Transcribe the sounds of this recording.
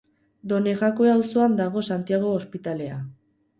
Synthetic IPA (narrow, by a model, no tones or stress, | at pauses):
d̪o̞ne̞ɣako̞eawso̞and̪aɣ̞o̞sant̪iaɣ̞o̞ːspit̪ale̞a